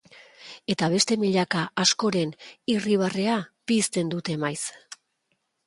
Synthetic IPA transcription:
e̞t̪aβ̞e̞st̪e̞miʎakaːsko̞ɾe̞niriβ̞areapist̪e̞nd̪ut̪e̞majs

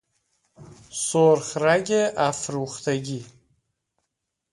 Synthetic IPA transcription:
soɾχɾæɟeʔæfɾuːχt̪ʰeɟi

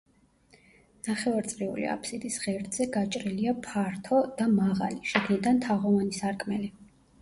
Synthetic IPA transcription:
naχɛvaɾt̪sʼɾiṵlḭa̰pʰsid̪isʁɛɾd̪ʼzɛɡat͡ʃʼɾiliapʰaɾt̪ʰɔd̪amaʁa̰liʃiɡnid̪ant̪ʰaʁɔvanisaɾkʼmɛli

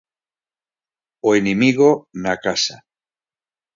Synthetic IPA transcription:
oenemiɣonakasa̰

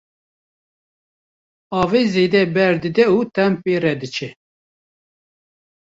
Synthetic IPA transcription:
ɑːveːzeːd̪ɛbɛɾd̪ɨd̪ɛut̪ʰɛmpeːrɛd̪ɨt͡ʃʰɛ

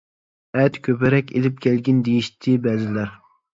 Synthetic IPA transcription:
ɛt̪kʲʰøpɛɾɛkʲelɪp̚kʲʰɛlɡʲind̪ejiʃt̪ʰɪbɛzɪlæɾ

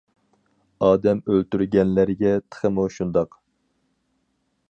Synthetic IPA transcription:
ɑːd̪ɛmølt̪yɾɡʲɛnlæɾɡʲɛt̪ʰə̥χəmuʃund̪ɑq

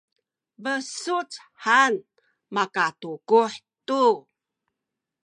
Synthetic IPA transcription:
vəsut͡s | ħan | makatukuħtu

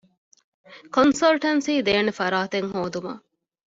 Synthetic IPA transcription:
konsɐlʈɐnsiːd̪eːnefɐɾaːt̪eŋɦoːd̪umɐ̰

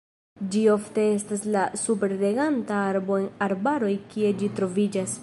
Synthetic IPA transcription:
d͡ʒio̞fte̞e̞staslasupe̞ɾle̞ɡantaaɾbo̞enaɾbaɾo̞jkie̞d͡ʒitɾo̞vid͡ʒas

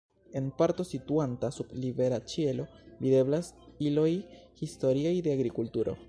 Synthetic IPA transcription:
e̞npaɾto̞situantasublive̞ɾat͡ʃielo̞bide̞blasilo̞jhisto̞ɾiajde̞aɡɾikultuɾo̞̰

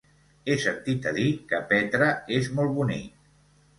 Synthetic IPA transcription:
esənt̪it̪əðikəpɛt̪ɾəezmɔlˠβunḭk̚

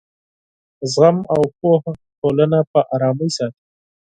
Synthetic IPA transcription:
zɣamawpohʈʰolənapəʔɑɾɑːməjsɑt̪i

